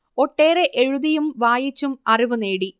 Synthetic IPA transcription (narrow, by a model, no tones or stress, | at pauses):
o̞ʈːe̞ːre̞ʔeɻuðijumʋaːjit͡ɕːumɐriʋune̞ːɽi